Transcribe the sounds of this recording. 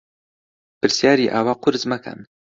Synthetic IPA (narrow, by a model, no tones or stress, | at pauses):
pɨɾsjaːɾiːʔaːwaːqʊɾzmɛkʰa̰n